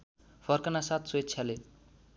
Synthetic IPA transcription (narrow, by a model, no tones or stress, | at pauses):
fʰʌrkʌnasat̪sot̪t͡sʰale